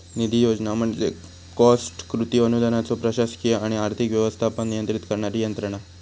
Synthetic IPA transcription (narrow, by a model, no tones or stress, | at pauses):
nid̪ʱijod͡ʑnam̤əɳd͡ze | kɔsʈkɾut̪iənud̪ʱanat͡sopɾəɕaskijeaɽ̃iaɾt̪ʰikʋjɛʋəst̪ʰaːpəɳnijənt̪ɾit̪kəɾɳaɾijənt̪ɾəɳ̃a